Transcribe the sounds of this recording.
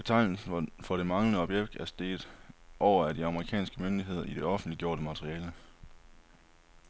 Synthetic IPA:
b̥et͡sʰɑ̈ɪ̰n̩sn̩fɒ̽ɾ̥e̝mɑ̈ŋlənəɒ̽b̥jeɡ̥̚d̥æɐsd̥e̝̰ːd̥ˠʔɒʊ̰ɐæd̥iɑ̈məʁikʰɛ̰ːnsɡ̥əmønd̥iɦe̝ð̞̰ˠɐid̥e̝ɒ̽fn̩d̥liɡ̥jo̝ɐ̰ɾəmɑt͡sʰʁiɛːlə

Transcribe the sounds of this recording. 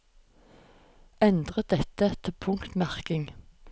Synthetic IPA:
ɛnd̪ʁəd̪ɛt̪əɛt̪ʰːəpʰʊŋkt̪mæʁkɪŋ

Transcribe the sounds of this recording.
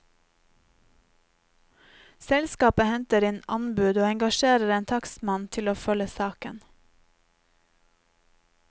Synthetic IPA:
sɛlskɑːpəhɛnt̪əɾɪːnɑnbʉːd̪oːɛŋɡɑʃeːɾəɾeːnt̪ʰɑksmɑnt̪ʰɪloːfœləsɑːkə̰n

